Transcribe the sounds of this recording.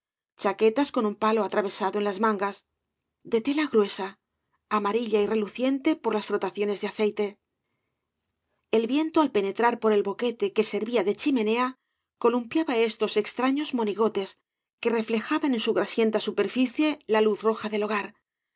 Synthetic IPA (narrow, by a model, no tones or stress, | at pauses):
t͡ʃake̞t̪asko̞numpalo̞at̪ɾaβ̞e̞saðoe̞nlazmãŋɡas | d̪e̞t̪e̞laɣɾwe̞saː | maɾiʎaire̞luθje̞nt̪e̞po̞ɾlasflo̞t̪aθjo̞ne̞zðeaθe̞jt̪e̞ | e̞lβje̞nt̪oalpe̞ne̞t̪ɾaɾpo̞ɾe̞lβo̞ke̞t̪e̞ke̞se̞ɾβiaðe̞t͡ʃimẽ̞ne̞a | ko̞lumpjaβae̞st̪o̞se̞kst̪ɾaɲo̞zmo̞niɣ̞o̞t̪e̞s | ke̞re̞fle̞xaβanẽ̞nsuɣɾasje̞nt̪asupe̞ɾfiθje̞laluθro̞xaðe̞lo̞ɣ̞aɾ